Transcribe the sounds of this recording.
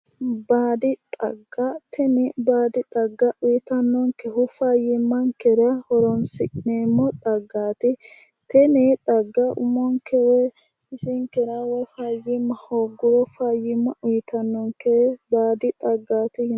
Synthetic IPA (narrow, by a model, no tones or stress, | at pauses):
baːd̪ɪt̪ʼɐ̰ɡːat̪ʰɛnɪbaːd̪ɪt̪ʼɐɡːɐʔʊjɪt̪ɐnːɔŋkɛhʊfaːjɪmːɐŋkɛɾɐhɔɾɔnsɪkʼɪneːmːɔᶑ̪ʼɐɡːaːt̪ɪ | t̪ɛnɪt̪ʼɐɡːɐʔʊ̰mɔŋkɛwɛ | ɪsɪŋkɛɾɐwɔfajɪmːɐhoːɡʊɾɔfajɪmːɐʔʊjɪt̪ɐnːɔŋkɛbaːd̪ɪt̪ʼɐɡːaːt̪ɪh